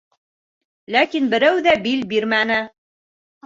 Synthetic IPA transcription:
lækinbɘ̆ɾæwðæbilbiɾmænɘ

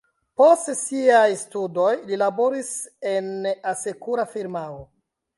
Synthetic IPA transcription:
po̞stsiajstudo̞jlilabo̞ɾise̞nase̞kuɾafiɾmao

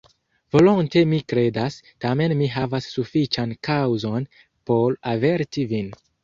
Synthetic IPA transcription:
vo̞lonte̞mikɾe̞das | tame̞nmiɦavasːufit͡ʃankawzo̞n | po̞ɾave̞ɾtivin

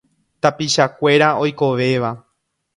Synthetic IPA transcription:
t̪apiʃakʷe̞ɾao̞jko̞ʋe̞ʋa

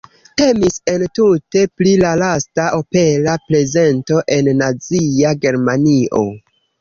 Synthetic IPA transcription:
te̞mise̞ntute̞plilalastaʔo̞pe̞laple̞ze̞nto̞ʔe̞nːaziaɡe̞ɾmaniʔo̞̰

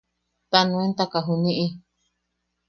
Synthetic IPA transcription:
t̪anũent̪akaɦunĩʔi

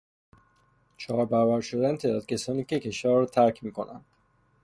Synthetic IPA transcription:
t͡ʃʰɒːɾbævæɾʃod̪ænt̪ʰed̪ɒːt̪kcʰesɒːniːcecʰeʃɒːvɾɔt̪ʰæɾcʰmiːko̰nʔæ̰nd̪̥

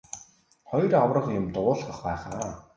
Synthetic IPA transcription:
χɔjrɔwrə̆χjʊmt̪ʊːɮχə̆χpæːχaː

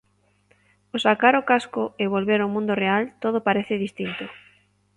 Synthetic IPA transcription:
osakaɾʊkaskʊɪβolβeɾomũnd̪ʊrealt̪oðopaɾeθɪðist̪int̪ʊ

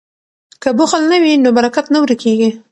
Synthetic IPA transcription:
kəbʊxəlnawinobaɾakat̪nawɾəkeɡi

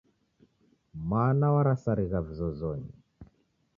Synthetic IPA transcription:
manawaɾasaɾiɣavizɔzɔɲi

